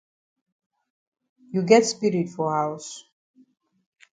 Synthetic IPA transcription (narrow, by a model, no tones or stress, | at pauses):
juɡɛtspiɾitfɔhaws